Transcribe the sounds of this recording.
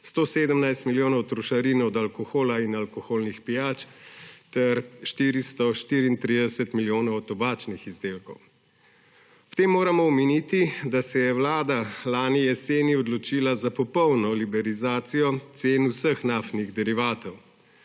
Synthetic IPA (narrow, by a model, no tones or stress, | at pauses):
st̪oːseːd̪əmnajst̪miljoːnɐwɔt̪ɾɔʃaɾiːnɔd̪alkɔxoːlainalkɔxoːlnixpijaːt͡ʃt̪ɛɾʃt̪iːɾist̪ɔʃt̪iːɾiːnt̪ɾid̪ɛsət̪miljoːnɐwɔt̪ːɔbaːt͡ʃnixizd̪eːlkɔw | t̪eːmːoːɾamɔwminiːt̪id̪asɛjɛwlaːd̪alaːnijɛseːniɔd̪lɔt͡ʃiːlazapɔpɔwnɔlibɛɾizaːt̪sijɔt̪seːnusəxnaːft̪niɣd̪ɛɾiʋaːt̪ɔw